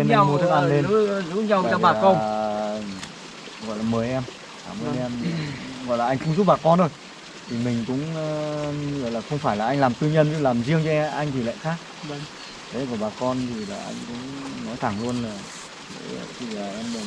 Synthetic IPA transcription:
i˧nː˧m˨˦t̪ʰk̚ʔa˧nle˧n˨˦u˨˦ɲa˨˩wɔ˧ɓaː˨˩˨kə˧˩ | ɣɔ̰˧˨jlaː˨˩məː˨˩jʔɛ˧m | aː˨˩məː˨˩jʔɛ˧m˨˩ɣɔ̰˧˨laː˨ʔa˧jŋ̟kʊ̰˧˥ŋ͡mzu˦˥p̚ɓaː˨˩kɔ˧nɗo˧˩j | t̪ʰi˨˩mï˨˩ŋ̟kʊ̰˧˥ŋ͡mɣɔ̰˧˨jlaː˨˩xə˧wŋ͡mfaː˧˩jlaː˨˩ʔa˧ŋlaː˨˩mt̪ɨ˧ɲə˧n˦˨˩laː˨˩mzi˧əŋt͡ɕɔ˧ʔa˧jŋ̟t̪i˨˩lɛ̰˧˨jxaː˦˥k̚ | k̪ʰe˨˦kɔ˧˩ɓaː˨˩kɔ˧nt̪ʰi˨˩laː˨˩ʔa̰˧jŋkʊ̰˧˥ŋ͡mnɔ˨˦jt̪ʰa˧˩ŋlu˧ənlaː˨˩ | lḛ˧˦˧t̪ʰi˨˩laː˨˩ʔɛ˧mə˨˩

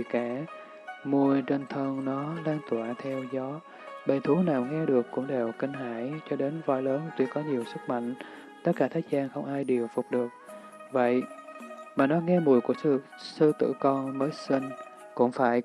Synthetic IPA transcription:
kaː˧˩ | mu˧əjt͡ɕe˧nt̪ʰəː˧nnɔ˨˦ɗaː˧ŋt̪waː˧˩t̪ʰɛ˧wzɔ˨˦ | ɓə˨˩jt̪ʰu˨˦naː˨˩wŋɛ˧ɗɨ˨˩əkːʊ̰˧˥ŋ͡mɗe˨˩wkï˧ŋ̟ɦaː˧˩jt͡ɕɔ˧ɗe˨˦nva̰˧˨jləː˨˦nt̪wi˧kɔ˨˦ɲi˨˩əwsɨ˦˥k̚ma̰˧˨jŋ̟ | t̪ə˦˥t̚kːaː˧˩t̪ʰaː˨˦˥k̚zaː˧ŋxə˧wŋ͡mʔaː˧jɗi˨˩əwfʊ˨˩k͡p̚ɗɨ˨˩ək̚ | və̰˧˨j | maː˨˩nɔ˨˦ŋɛ˧mu˨˩əjku˧˩əs | sɨ˧t̪ɨ̰˧˨kɔ˧nməː˨˦jsi˧ŋ | kʊ̰˧˥ŋ͡mfaː˧˩j

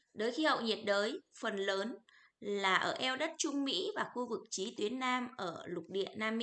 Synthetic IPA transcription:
ɗəː˨˦jxi˧hə̰˧˨wɲi˨˩t̚ɗəː˨˦jfə˨˩nləː˨˦n | laː˨˩ʔəː˧˩ʔɛ˧wɗə˦˥t̚t͡ɕʊ˧ŋ͡mmḭ˧˥vaː˨˩xu˧vɨ˨˩k̚t͡ɕi˨˦t̪wi˨˦ənːaː˧mʔəː˧˩lʊ˨˩k͡p̚ɗḭ˧˨ənaː˧m˦˥

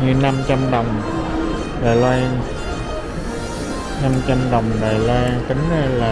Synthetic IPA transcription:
ɲɨ˧na˧mt͡ɕa˧mɗə˨˩wŋ͡m | ɗaː˨˩jlɔ˧ŋ | na˧mt͡ɕa˧mɗə˨˩wŋ͡mɗaː˨˩jlaː˧ŋt̪ə˨˦ŋnə˧laː˨˩

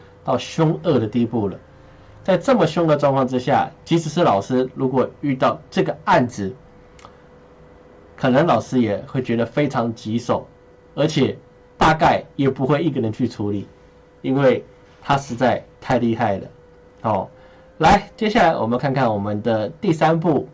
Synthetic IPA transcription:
t̪ɑ˥˩ʊɕjʊ˥ŋə˥˩d̪ə˩t̪i˥˧pu˥˩lə̰˩ | t͡sa˥˧ɪʈ͡ʂɤ˥˩mə˨ɕʊ˥ŋə˥˩˧ʈ͡ʂwɑ˥˧ŋkʰwɑ˥˧ŋʈ͡ʂɻ̩˥ɕja̰˥˩t͡ɕi˧˥ʂɻ̩˨˩ʂɻ̩˥˩lɑ˨˩ʊʂɻ̩˥lu˧˥kwɔ˨˩y˥˧t̪ɑ˥˧ʊʈ͡ʂɤ˥˩ɡə˩a˥˩nʈ͡ʂɻ̩˨˩ | kʰɤ˨˩nə˧˥ŋlɑ˨˩ʊʂɻ̩˥jɛ˨˩xwe˥˩ɪt͡ɕɥɛ˧˥d̪ə˧˨fe˥ɪʈ͡ʂʰɑ˧˥ŋt͡ɕi˧˥ʂo˨˩˦ʊ | ə˞˧˥t͡ɕʰjɛ˨˩ | t̪a˥˧ka˥˩ɪjɛ˨˩pu˧˥xwe˥˧ɪi˥˩kə˨˩ɻə˧˦nt͡ɕʰy˥˩ʈ͡ʂʰu˧˥li˨˩˦ | i˥nwe˥˩ɪ | t̪ʰa˥ʂɻ̩˧˥t͡sa˥˧ɪt̪ʰa˥˧ɪli˥˧xa˥˩ɪd̪ə̰˩ | xɔ˥˧˩ | la˧˥ɪt͡ɕjɛ˥ɕja˥˩la˧ɪwɔ̰˨˩mə˧kʰa˥˧nkʰa˥˩nwɔ˨˩mə˦nd̪ə˧t̪i˥˩sa˥np̬u˥˩

